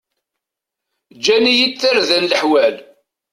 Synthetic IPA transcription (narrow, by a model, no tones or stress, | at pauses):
d͡ʒænijit͡sːəɾðænləħwæl